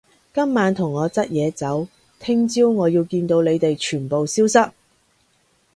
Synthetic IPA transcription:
kɐ˥mːaː˨˧nt̪ʰʊ˨˩ŋːɔː˨˧t͡sɐ˥t̚jɛː˨˧t͡sɐ˨˥w | t̪ʰɪ˥ŋt͡siː˥wŋɔː˨˧jiː˧wkiː˧nt̪o˨˧wle˨˧jt̪e˨jt͡ʃʰyː˨˩npo˨wsiː˥wsɐ˥t̚

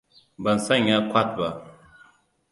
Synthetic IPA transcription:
bə˨n̩˨sa˦ɲa˦kwa˦˨t̚ba˨

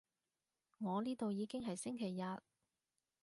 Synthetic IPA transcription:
ŋɔː˨˧liː˥t̪o˨wjiː˨˧kɪ˥ŋɦɐ˨jsɪ˥ŋkʰe˨˩jːɐ˨t̚

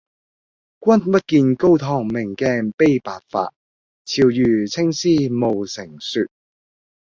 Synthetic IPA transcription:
kʷɐ˥npɐ˥t̚kiː˧nko˥wt̪ʰɔː˨˩ŋmɪ˨˩ŋkɛː˧pe˥jpaː˨˩t̚fa̰ː˧t̚ | t͡sʰiː˧wjyː˨t͡sʰɪ˥ŋsiː˥mo˨wsɪ˨˩ŋsyː˧t̚

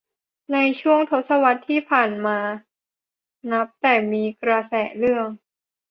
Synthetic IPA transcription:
na˧jt͡ɕʰu˥˩əŋt̪ʰo˦˥t̪̚sa˧wa˦˥t̪ʰːiː˥˩pʰaː˨˩nmaː˧ | na˦˥p̚t̪ɛː˨˩miː˧kɾa˧sɛː˨˩lɯ˥˩əŋ

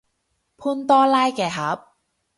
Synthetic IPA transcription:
pʰu˥nt̪ɔː˥laː˥˩jkɛː˨˩ɦa˦˥p̚

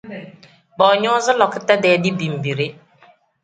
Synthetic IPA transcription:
bɔ˨ɲʊ˦zɪ˦lɔ˨kɪ˦ta˦dɛː˨˦dɪ˦bi˨m̩˨bi˨ɾe˦

